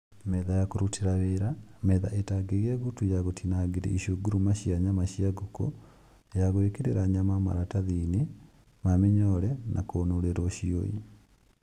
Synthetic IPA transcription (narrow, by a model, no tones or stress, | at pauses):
mɛðajakoɾutʰiɾaβeɾamɛða̰ʔetaɡeɣiaɣutujaɣotʰinaɡeɾḭiʃoɡuɾumaʃiaɲamaʃiaɡuko̰ | jaɣoekeɾeɾaɲamama̰ɾataðine | mamiɲɔɾɛnʔa̰koːnoɾeɾɔʃio̰ji